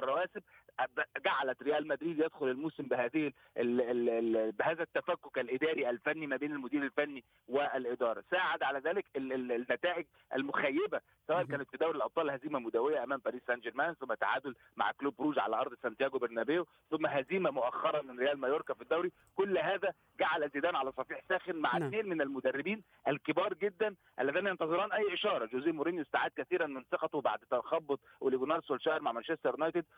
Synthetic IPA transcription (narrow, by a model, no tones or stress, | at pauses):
rˤːɑwæːsɪb̚ | ɡaʕalæt̪ɾejæːlmæd̪ɾiːd̪jed̪xolelmuːsɪmbɪɦæːðɪh | behæːðæt̪ːæfækːokælʔɪd̪æːɾiʔælfænːimæbeːnælmʊd̪iːɾælfænːi | weælʔɪd̪ɑːɾˤɑ̰saːʕad̪ʕalæzæːlɪknːæt̪æːʔɪɡ | ʔæ̰lmʊxæjːebæ | sæwæːʔænkæːnɪt̪fid̪æwɾilʔɑb̪ˤɑːlhæziːmæmʊd̪æwejːæʔæmæːmbæɾiːsːænd͡ʒeɾmæːnθomːæt̪ːaʕa̰ːd̪ol | ma̰ʕkluːb̚ːɾuːd͡ʒʕalæʔɑɾd̪ˤsænt̪jæːɡobeɾnæbejo | θʊmːæɦæziːmæmoʔæxːɑɾˤɑmɪnɾejæːlmɑjoɾkæfid̪ːæwɾi | kolːɦæːðæ | ɡaʕalʔæzed̪æːnʕalæsˤɑfiːħsæːxenmaʕat̪neːnmɪnælmod̪ærːɪbiːn | ʔælkebɑːɾˤɡed̪ːæn | ʔæ̰lːæðiːnæjɑnt̪ɑðˤɨɾˤɑːnʔæjːʔeʃɑːɾˤɑd͡ʒoːziːmoɾenjoest̪aʕaːd̪̚kæθiːɾænmɪnsˤɑqɑt̪wba̰ʕd̪t̪ɑxɑbːot̪ˤwʔeliɡonɑːɾˤsolʃæːʔeɾmaʕmænʃest̪eɾnɑjt̪ed̪